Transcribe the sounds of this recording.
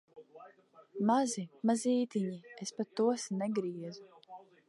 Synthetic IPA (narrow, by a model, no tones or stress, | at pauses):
mazimaziːt̪iɲiespat̪ːuɔsnɛɡɾiɛzu